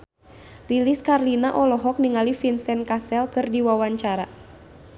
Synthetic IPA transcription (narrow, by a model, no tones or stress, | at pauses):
liliskarlinaʔɔlɔɦɔk̚niŋalifinsɛnkasɛlkɨrdiwawaɲt͡ʃaɾa